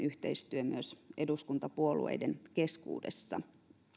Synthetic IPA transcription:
yht̪eist̪yømyøsʔeduskunt̪ɑpuolṵḛjdenke̞skṵːdḛsːɑ̰

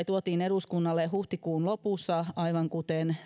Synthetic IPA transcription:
it̪uot̪iːneɾuskunːɑlːehuht̪ikuːnlopusːɑɑiʋɑŋkut̪en

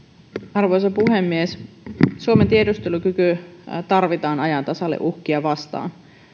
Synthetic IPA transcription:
ɑrʋo̞jsɑpuɦemːies | suoment̪iedust̪eluk̟ykyt̪ɑrʋit̪ɑːnɑjɑnt̪ɑsɑlːḛʔuhk̟iɑʋɑst̪ɑ̰ːn

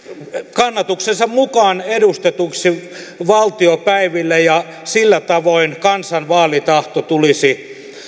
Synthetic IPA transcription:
kɑnːɑt̪uksensɑmmukɑːnedust̪et̪uksi | ʋɑlt̪iopæiʋilːejɑ | silːæt̪ɑʋoinkɑnsɑnʋɑːlit̪ɑht̪ot̪ulisi

